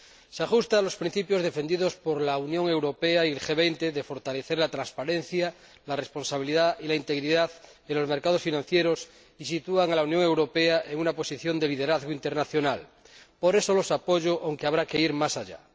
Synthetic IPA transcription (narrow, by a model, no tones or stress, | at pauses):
seaxust̪alo̞spɾin̟θipjo̞zðe̞fe̞nd̪iðospoɾlaunjõ̞ŋe̞wɾopeaielxe̞β̞ejnt̪eðefo̞ɾt̪ale̞θeɾlat̪ɾanspaɾen̟θja | larespo̞nsaβ̞iliðailaint̪e̞ɣɾiðað | enlozme̞ɾkað̞osfinãn̟θjeɾos | isit̪uaŋalaunjoŋe̞wɾo̞peaʔeŋunapo̞siθjo̞nd̪eliðeɾaðɣoint̪e̞ɾnaθjo̞nal | po̞ɾe̞solo̞sapoʝoʔawŋkeaβ̞ɾakeiɾmasaʎa̰